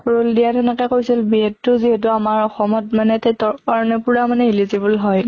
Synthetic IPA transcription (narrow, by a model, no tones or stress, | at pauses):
ɹuldijadɔnakɛkoɹisilbiɛtːʊziɦɛt̬ʊamaɹɔxɔmɔtmanɛtetɔkaɹɔnɛpʊɹamanɛilizibulɦɔj